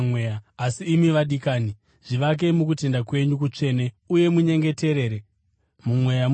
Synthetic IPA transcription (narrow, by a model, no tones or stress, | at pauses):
mweaasiːmiʋaɗikaːni | ʐ̥iʋak̬e̞muk̬ute̞ndakwe̞ɲuk̬ut͡ʂe̞ne̞ | uje̞muɲe̞ŋɡe̞te̞ɾe̞ːɾe | mumwe̞ja